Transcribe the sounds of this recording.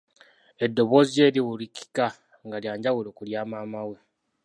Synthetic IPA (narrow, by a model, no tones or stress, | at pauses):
e̞dːo̞βo̞zie̞ːɾiwuliki̥ka | ŋɡaljaːɲɟaɣuloːkuljaːmaːmawe